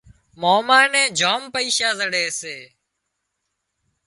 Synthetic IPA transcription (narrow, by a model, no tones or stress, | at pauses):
moːmaːnẽːd͡ʒoːmpəiːʃaːzəɽeːseː